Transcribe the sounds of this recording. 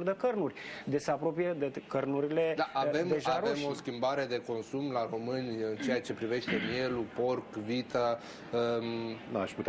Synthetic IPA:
ɾd̪əkərnurʲd̪esəapɾo̞pijed̪əkərnuɾile̞d̪aʔave̞md̪eʒaaɾemo̞skʲimbaɾe̞d̪e̞ko̞nsumlaɾo̞mɨnʲɨnt͡ʃe̞at͡ʃe̞pɾive̞ʃt̪e̞mje̞lupo̞rkvit̪a | na̰ʃi

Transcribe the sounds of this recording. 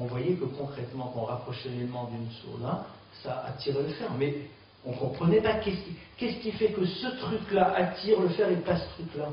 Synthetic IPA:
ɔ̃vwajɛkəkɔ̃kχɛt̪mɑ̃kɔ̃ʁapχɔʃɛlɛlmɑ̃d̪ynso̰nã | saʔa̰t̪iʁɛləfɛʁmɛ | ɔ̃kɔ̃pχənɛpakʲɛskʲikʲɛskʲifɛkəsət̪χyklaʔat̪iʁləfɛʁepasə̥t̪χykla

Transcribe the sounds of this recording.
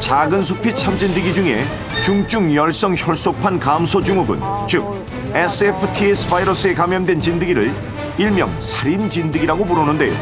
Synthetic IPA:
t͡ɕaɡɯnsʰopʰit͡ɕʰamd͡ʑindɯɡid͡ʑuŋe̞̰ | t͡ɕuŋt͡ɕ͈uŋjʌɭs͈ʌŋçjʌɭs͈opʰankamsʰod͡ʑuŋoɡɯ̰nt͡ɕɯk̚ | es͈ʰɯepʰɯtʰies͈ʰɯ̥pʰaiɾʌs͈ɯe̞kamjʌndwe̞nt͡ɕindɯɡiɾɯɭ | iɭmjʌ̰ŋsʰaɾint͡ɕindɯɡiɾaɡopuɾonɯnde̞jo̰

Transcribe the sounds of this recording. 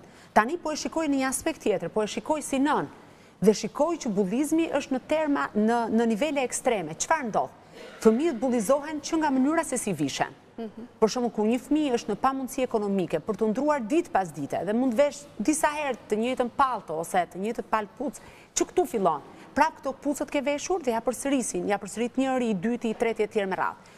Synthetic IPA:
t̪anipɔɛʃikɔjnəɲəaspɛk̚t̪ːjɛt̪əɾpɔɛʃikɔjsinən | ðɛʃikɔjt͡ɕəbulˠizmiʔəʃt̪nət̪ɛɾmanənənivɛlɛːkst̪ɾɛmɛt͡ʃə̥faɾnd̪ɔ̰l | fəmiət̪̚bulˠizɔɦɛnt͡ɕəŋɡamənyɾasɛsiviʃɛ̰n | pɔɾʃuməkuɾɲəfəmiəʃt̪nəpamund̪siɛkɔnɔmikɛpəɾt̪ənd̪ɾuaɾd̪it̪pas̬d̪it̪ɛ̰ðɛmund̪vɛʃd̪isahɛɾt̪t̪ːəɲɛjt̪ənpalˠt̪ɔsɛt̪əɲəjt̪ənpalput͡s | t͡ʃəkt̪ufilˠɔn | pɾavkə̥t̪ɔput͡sət̪kɛvɛʃuɾðɛjapəɾsəɾisinjapəɾsəɾit̪ɲəɾiːd̪yt̪iːt̪ɾɛt̪jɛt̪jɛɾmɛra̰ð

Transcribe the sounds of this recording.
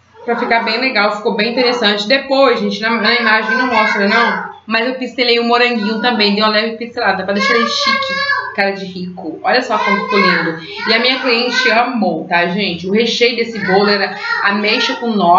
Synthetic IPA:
pɾɐfikabẽj̃leɡawfi̥kowbẽj̃ĩnt̪eɾesɐ̃t͡ʃɪd̪epojzʒẽnt͡ʃɪnɐnɐimaʒẽj̃nɐ̃w̃mɔst̪ɾenɐ̃w̃ | mɐzewpist̪elejʊ̃moɾɐ̃ɡĩɲʊt̪ɐ̃mbẽj̃d̪ejw̃ɐlɛvɾɪpist̪elad̪ɐpɾɐd̪ejʃaleʃikʰɪkaɾɐd͡ʒɪhikʊɔʎɐsɔt̪ɐ̃fu̥t̪olẽnd̪ʊ | ɪɐmĩɲɐkliẽnt͡ʃɪʃeɐmowt̪aʒẽt͡ʃɪʊɦeʃejʊd̪esɪbolʊɛɾɐɐmeʃɐkõnɔ

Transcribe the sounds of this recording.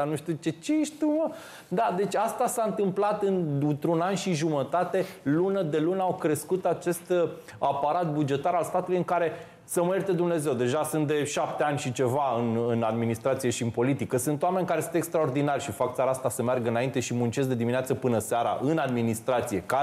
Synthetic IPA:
anuʃt̪ut͡ʃet͡ʃeʃt̪umə | d̪ad̪e̞t͡ʃʲast̪asaɨnt̪ɨmplat̪ɨnɨnt̪ɾunanʃiʒumət̪at̪e̞lunəd̪e̞lunawkɾe̞skut̪at͡ʃe̞st̪ | apaɾat̪̚bud͡ʒe̞t̪aɾalst̪at̪ulujɨŋkaɾe̞ | səmert̪ed̪umne̞ze̞wd̪e̞ʒasunt̪̚d̪e̞ʃap̚t̪e̞anʲʃit͡ʃe̞vaɨnɨnad̪minist̪ɾat̪sije̞ʃiɨnpo̞lit̪ikəsɨnt̪oame̞nʲkaɾesɨnt̪e̞kst̪ɾao̞rd̪inarʲʃifakt̪saɾaast̪asəmerɡəɨnaint̪e̞ʃimunt͡ʃe̞s̬d̪e̞d̪imineat̪səpɨnəseaɾa̰ʔɨnad̪minist̪ɾat̪sije̞ka

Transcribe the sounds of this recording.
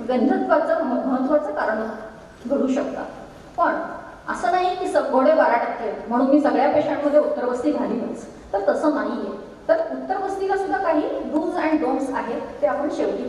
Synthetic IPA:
ɡənd͡zʱət̪ʰʋat͡saməməɦət̪ːʋat͡səkaɾəɳ | ɡʱəɽuːɕəkt̪a̰ | pəɳ | ə̰səːnaɦiek̪iːsəbʱoɽeʋaɾaʈət̪ʰːelm̤əɽ̃uːnmiːsəɡɭjapeɕaɽməd̪ʱːjeut̪ːəɾʋəst̪iːɡʱalimət͡s | t̪əɾt̪əsəːnaɦije | t̪əɾut̪ːəɾʋəst̪ikasud̪ʱːakaɦiːɖuld͡zaɳiɖomsaɦet̪eapəɳɕeʋʈiː

